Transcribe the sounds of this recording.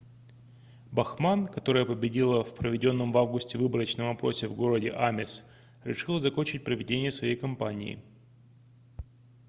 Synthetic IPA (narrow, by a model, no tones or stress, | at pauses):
bɐxmankɐt̪o̞ɾəjəpəbʲɪdʲilˠəfpɾəvʲɪdʲo̞nːəmvavɡʊsʲtʲɪvɨbəɾət͡ɕnəmɐpɾo̞sʲɪvɡo̞ɾədʲɪ̰ʔamʲɪs | ɾʲɪʂɨlˠəzɐko̞nʲt͡ɕɪt̚ʲpɾəvʲɪdʲenʲɪjəsvɐjejkɐmpanʲɪ̰ɪ̰